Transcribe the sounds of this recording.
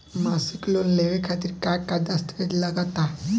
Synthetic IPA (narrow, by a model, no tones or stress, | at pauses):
masiklonleʋekʰat̪iːɾkakad̪əst̪ʋet̪ləɡat̪a